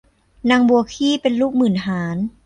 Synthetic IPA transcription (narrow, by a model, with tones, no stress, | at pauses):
na˧ŋbu˧ɐkʰiː˥˩pe˧nluː˥˩k̚mɯː˨˩nɦaː˩˦n